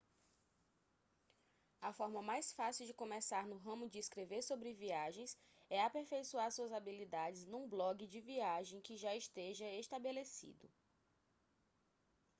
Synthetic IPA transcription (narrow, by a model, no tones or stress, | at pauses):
ɐfɔɾmɐmajsfasiwd͡ʒɪkõmɛsaɾnʊɦɐ̃mʊd͡ʒɪːskɾeveɾsobɾɪviaʒẽj̃s | ɛapeɾfejsuaɾsuɐzabilid̪ad͡ʒɪznũblɔɡɪd͡ʒɪviaʒẽj̃kɪʒaiʃt̪eʒɐeʃt̪abelesḭd̪ʊ̰